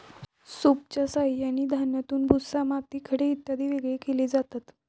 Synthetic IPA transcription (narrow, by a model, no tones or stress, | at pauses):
sop̚t͡ɕasaɦijañiːd̪ʱanjat̪uːnbʱusamat̪iːkʰəɽeːt̪ːad̪ʱiːʋeɡɭekeled͡zat̪at̪